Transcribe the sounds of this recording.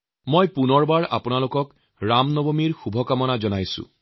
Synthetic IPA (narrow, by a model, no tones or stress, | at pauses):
mojpunɔɹbaɹa̰pʊnalokɔk | ɹamnɔbomiɹxubʱɔkamɔnazɔnajsʊ̰̃